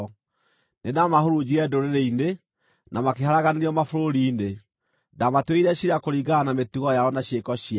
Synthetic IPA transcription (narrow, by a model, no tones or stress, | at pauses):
nenamahoɾud͡ʑiɛdoɾeɾeine | nʔamakeɦaɾaɣaneɾiɔmafoɾoɾiːne | damatweiɾɛɕiɾakoɾiɡaːnametuɣɔjaɔnaɕiekɔɕia